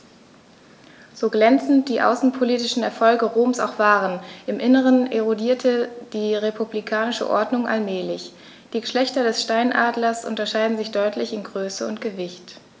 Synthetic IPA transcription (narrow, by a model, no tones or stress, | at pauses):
z̥oːɡlɛnt͡sn̩t̚d̥iːʔa̰ʊsn̩pʰoliːtɪʃn̩ɛ̰ɐfɔlɡəʁoːmsa̰ʊxv̥aːʁənʔɪmʔɪnəʁənʔeʁodiːɐtʰəd̥iːʁepʰublikʰaːnɪʃə̰ʔɔ̰ɐdnʊŋʔa̰lmɛːlɪç | d̥iːɡəʃlɛçtɐdɛsʃtaɪnʔaːdlɐsʔʊ̰ntɐʃaɪdn̩zɪçd̥ɔʏtʰlɪçɪnɡʁøːsəʊntɡ̥əvɪçt